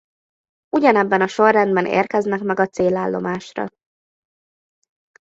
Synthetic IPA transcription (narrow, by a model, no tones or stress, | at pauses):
uɟɒnɛbːɛnɒʃo̞rːɛnd̪bɛnḛːrkɛznɛkmɛɡɒt̪seːlaːlːo̞̰maːʃrɒ̰